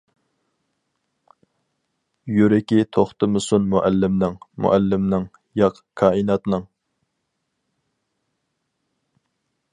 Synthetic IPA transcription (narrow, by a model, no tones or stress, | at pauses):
jyɾɪkʲit̪ʰoχt̪ɨmɨsunmuʔælːɪmnɨŋmṵʔælːɪmnɨŋ | jɑqʰ | kʰɑːinɑt̪nɨŋ